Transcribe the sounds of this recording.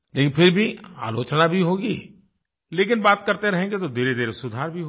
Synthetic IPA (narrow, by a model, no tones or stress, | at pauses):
leːkɪnfʰɪɾbʱia̰ːloːt͡ʃnabʱiɦoːɡiː | leːk̬ɪnbaːt̪kɐɾt̪eɾɐɦẽːŋɡet̪̬od̪eːɾed̪eːɾsʊd̪ʱaːɾbʱiɦ